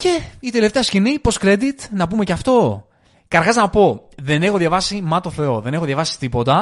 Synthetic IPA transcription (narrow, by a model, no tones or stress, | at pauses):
ce̞it̪ele̞ft̪eɐscinipɾo̞skɾe̞d̪it̪nɐpume̞cɐft̪o̞ | kɐɾɣɐznɐpo̞ðe̞ne̞xo̞ðjɐvɐsimɐt̪oθe̞o̞ðe̞ne̞xo̞ðjɐvɐsi̥t̪ipo̞t̪ɐ